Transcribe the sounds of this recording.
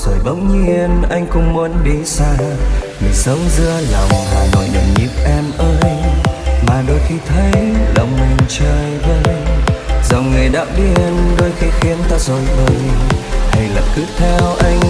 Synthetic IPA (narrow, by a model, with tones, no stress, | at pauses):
z̥o˨˩jɓə̰˧˦˥wŋ͡mɲi˧ənʔa˧jŋ̟kʊ̰˧˥ŋ͡mmo˨˦nɗi˧˦saː˧ | ŋɨ˨˩jsə˨˦wŋ͡mzɨ˧əla˨˩wŋ͡mhaː˨˩nɔ˧˨˩jɲə̰˨˩nɲḭ˧˦˥p̚ʔɛ˧mʔəː˧j | maː˨˩ɗo˧jxi˧t̪ʰə˨˦jlə˨˩wŋ͡mmï˨˩ŋ̟t͡ɕəː˨˩jvə˧j | zə˨˩wŋ͡mŋɨ˨˩əjɗa̰ː˧˥wɗi˧ənɗo˧jxi˧xi˨˦ənt̪aː˧zo˧˨˩jvəː˧˩jhə˧˩jlə̰ː˨˩kɨ̰˧˦˥t̪ʰɛ˧wʔa˧jŋ̟